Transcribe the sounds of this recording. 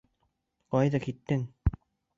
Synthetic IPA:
qɑjðɑkit̪ːɘŋ

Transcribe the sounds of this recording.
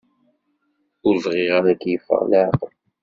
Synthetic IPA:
ʊɾzˤʁɪʁaɾækːjəfːə̰ʁlaʕqəl

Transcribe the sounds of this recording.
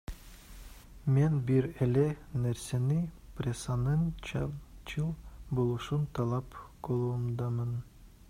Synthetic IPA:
menbiɾelenæɾseniprʲesɑnɯn | t͡ʃʰɯlˠbolˠuʃunt̪ʰɑlˠɑpɡolˠumd̪ɑmɯn

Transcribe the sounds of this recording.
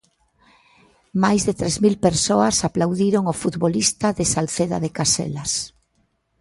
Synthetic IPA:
majzðet̪ɾezmilpeɾsoasaplawðiɾoŋofut̪βolist̪aðesalθeða̰ðekasḛlas

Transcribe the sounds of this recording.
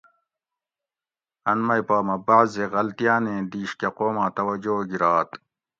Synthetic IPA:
ɐnmɐjpaːmɐbaʕzeɣɐlt̪ijaːnẽːd̪iːɕkeqoːmaːt̪ɐwɐd͡ʑoːɡiɾaːt̪

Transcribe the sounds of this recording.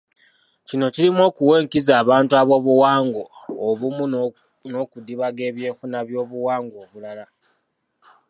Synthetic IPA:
cino̞ciɾimo̞ːkuwe̞ːŋkizaːβaːntuaβo̞βuwaːŋɡo̞ːβumu | no̞kudiβaɡe̞ːβje̞ːkunaβjo̞ːβuwaːŋɡo̞ːβulala

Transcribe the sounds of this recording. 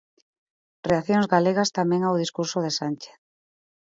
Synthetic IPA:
reaθjoŋzɣaleɣast̪amẽŋawðiskuɾsoðesant͡ʃe̥θ

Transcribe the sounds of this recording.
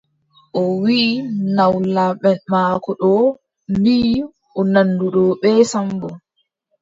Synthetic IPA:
ʔɔwiʔːnawlaɓɛnmaːkɔɗɔ | mbi | ɔnanːduɗɔːɓɛːsambɔ

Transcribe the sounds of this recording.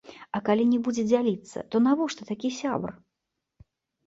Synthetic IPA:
ɐkalʲinʲɛbud͡zʲɛd͡zʲalʲit̪sːɐ̰t̪ɔnavɔʂt̪ɔt̪akʲisʲa̰br

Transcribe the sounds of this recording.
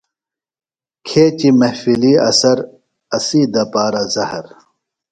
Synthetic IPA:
kʰeːt͡ɕimɐhfiliɐ̰sɐɾ | ɐsiːd̪ɐpaːɾazɐhɐɾ

